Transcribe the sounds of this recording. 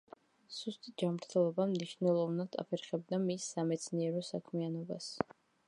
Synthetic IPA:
z̥ust̪ʼid͡ʒamɾt̪ʰɛlˠɔbamniʃnɛlˠɔvnad̪ʰa̰pʰɛɾχɛbd̪amisːamɛt̪sʰniɛɾɔsakʰmianɔba̰s

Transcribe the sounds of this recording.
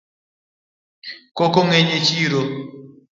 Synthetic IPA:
kokoŋeɲet͡ʃiɾo

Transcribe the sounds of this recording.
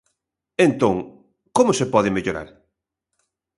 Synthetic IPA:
ent̪õŋ | komʊsepɔðɪmeʎoɾa̰ɾ

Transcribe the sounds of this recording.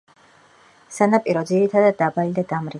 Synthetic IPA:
sanapʼiɾɔd̪ziɾit̪ʰad̪ad̪̚ːabalid̪ad̪amɾi

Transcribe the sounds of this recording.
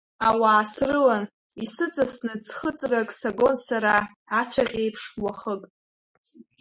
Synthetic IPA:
awaːsrɨlan | isɨt͡sʼasnɨt͡sʰχət͡sʼrakʼsaɡo̞nsaɾaː | t͡ɕʷʰaʁʲejpʰʂwaχəkʼ

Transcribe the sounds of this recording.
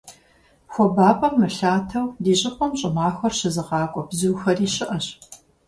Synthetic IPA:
xʷɔbaːpʼɐmːɨɬaːtʰɐwdiːɕʼɪqʷʼɔmɕʼɪmɑːxʷɐrɕɪzɨqɑːkʷʼɔbzuːxɐriːɕɪʔɐɕ

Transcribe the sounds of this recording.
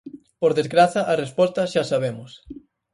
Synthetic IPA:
poɾðezɣɾaθɐʔarespɔst̪ɐʃasaβ̞emʊs

